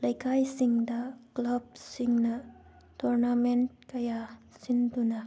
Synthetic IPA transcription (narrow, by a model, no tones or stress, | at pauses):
lɐjkʰajsiŋdɐklɐb̚siŋnɐ | tɔɾnament̚kɐjasindunɐ